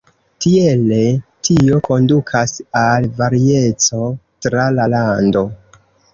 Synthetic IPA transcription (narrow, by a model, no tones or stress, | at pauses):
tie̞le̞tʰio̞ko̞ndukʰasalvaɾie̞t͡so̞tɾalalando̞